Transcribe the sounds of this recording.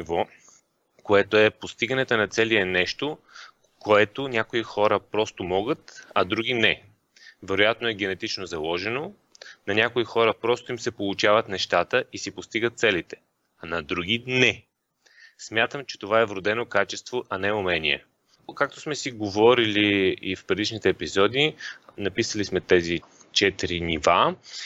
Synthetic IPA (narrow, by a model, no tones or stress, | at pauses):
nivɔ | koɛt̪oɛpost̪iɡɐnɛt̪onɐt̪sɛliɛnɛʃt̪o | koɛt̪onʲakoixɔɾəpɾɔst̪omɔɡət̪ɐd̪ɾuɡʲinɛ | vɛɾojat̪noɛɡɛnɛt̪it͡ʃnozɐlˠɔʒɛno | nɐnʲakoixɔɾəpɾɔst̪oimsɛpolˠut͡ʃavət̪nɛʃt̪at̪əisipost̪iɡət̪t̪sɛlit̪ɛ̥ | ɐnɐd̪ɾuɡ̟inɛ | smʲjat̪əmt͡ʃɛ̥t̪ovaɛvɾod̪ɛnokat͡ʃɛst̪voʔɐnɛʊmɛniɛ̰ | kak̚t̪o̥smɛsiɡovɔɾiliifpɾɛd̪iʃnit̪ɛːpizɔd̪inɐpisəlismɛt̪ɛzi | t͡ʃɛt̪ɾiniva